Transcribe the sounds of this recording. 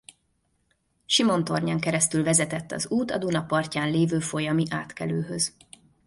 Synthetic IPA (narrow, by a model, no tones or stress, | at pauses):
ʃimo̞nt̪o̞rɲaːŋkɛɾɛst̪ylvɛzɛt̪ɛt̪ːɒ̰zuːt̪ɒd̪unɒpɒrcaːnleːvøːfo̞jɒmiʔaːt̪kɛløːɦøz̥